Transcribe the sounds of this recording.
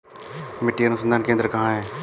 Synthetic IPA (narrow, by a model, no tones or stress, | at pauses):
mɪʈːiɐnʊsənd̪aːnkẽːnd̪əɾkɐɦãːɦɛ̃ː